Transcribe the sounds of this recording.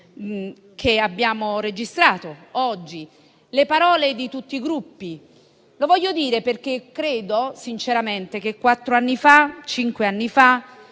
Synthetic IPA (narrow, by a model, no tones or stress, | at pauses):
kʰeabːjaːmored͡ʒist̪ɾaːt̪oɔd͡ʒːi | lepaɾɔːled̪it̪ut̪ːiɡɾupːi | lovɔʎːod̪iːɾeperk̟ekːɾeːd̪osint͡ʃeɾament̪ek̟ekːwat̪ːɾoanːifat͡ʃiŋkweanːifa